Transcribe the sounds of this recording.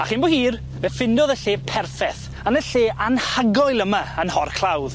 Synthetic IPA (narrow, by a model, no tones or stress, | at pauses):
aχiːnbohiːr | vɛfɪndɔðəɬeːpʰɛrfɛθ | anəɬeːʔanhaɡɔjlˠəmaənhɔrkʰlˠawð